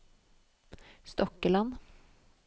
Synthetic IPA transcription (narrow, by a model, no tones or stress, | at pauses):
st̪ɔkəlɑn